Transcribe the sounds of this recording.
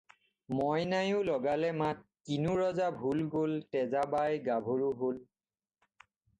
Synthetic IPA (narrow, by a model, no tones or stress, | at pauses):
mɔjnajʊ̃lɔɡalɛmat̚kinuɹɔzabʱulɡoltɛzabajɡabʱoɹuɦol